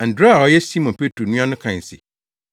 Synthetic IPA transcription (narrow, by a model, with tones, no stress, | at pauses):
a˨n̩˨dɾa˦˨ɔ˨˦jɛ˦si˦mɔ̃˨npʰe˦tʰɾo˨nũ˦ã˦nʊ̃˦kʰã˨n̩˨sɪ̰˨